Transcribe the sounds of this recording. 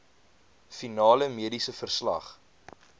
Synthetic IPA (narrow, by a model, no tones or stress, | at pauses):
finɑːləmiədisəfərslɐ̰χ